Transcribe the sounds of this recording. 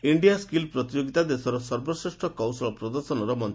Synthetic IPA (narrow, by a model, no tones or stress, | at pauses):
iɳɖijaskilpɾɔt̪id͡ʒoɡit̪ad̪esɔɾɔsɔɾbɔsɾesʈʰɔkɔwsɔɭɔpɾɔd̪ɔɾsɔnɔɾɔmɔnt̪ʰ